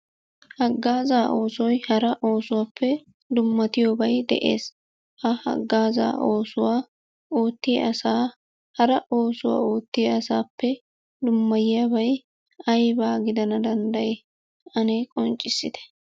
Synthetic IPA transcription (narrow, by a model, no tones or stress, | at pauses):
hɐɡːaːzaːʔo̞ːsɔjhɐɾɐʔo̞ːsʊwaːpʰːɛ | d̪ʊmːɐt̪ɪjoːbɐjd̪ɛ̰ʔḛːs | hɐhɐ̰ɡːaːza̰ːʔo̞ːsʊwaː | oːt̪ːɪɐsaː | hɐɾɐʔo̞ːsʊwa̰ːoːt̪ːɪɐsaːpːɛ | d̪ʊmːɐjjabɐj | ɐjbaːɡɪd̪ɐnɐd̪ɐnd̪ɐj | ɐnekʼɔnt͡ʃʼːɪsːɪd̪ɛ̥